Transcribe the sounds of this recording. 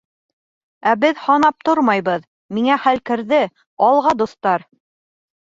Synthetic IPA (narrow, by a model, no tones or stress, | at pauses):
æbɘðhɑnɑp̚t̪oɾmɑjβɤð | miŋæχælkɘ̆ɾðɘ | ɑlˠʁɑd̪ust̪ɑɾ